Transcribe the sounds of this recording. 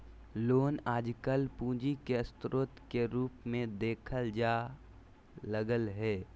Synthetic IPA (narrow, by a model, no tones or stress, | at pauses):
loːnaːd͡ʒkəlpũːd͡ʒikeəst̪ɾoːt̪keɾuːpmẽd̪eːkʰəld͡ʒaː | ləɡəlɦɛː